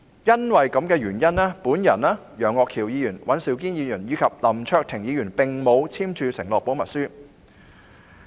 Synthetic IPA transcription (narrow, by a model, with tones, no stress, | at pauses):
jɐ˥nwɐ˨jkɐ˨˥mkɛː˧ɥyː˨˩njɐ˥naː˥puː˨˥njɐ˨˩naː˥ | jœː˨˩ŋːɔː˨˧kʰiː˨˩wjiː˨˧jyː˨˩nwɐ˨˥nsiː˨˥˩wkiː˥njiː˨˧jyː˨˩njiː˨˧kʰɐ˨p̚lɐ˨˩mt͡ʃʰœː˧k̚t̪ʰɪ˨˩ŋjiː˨˧jyː˨˩npɪ˨ŋmo˨˧wt͡sʰiː˥mt͡ʃʰyː˧sɪ˨˩ŋlɔː˨k̚po˨˥wmɐ˨t̚syː˥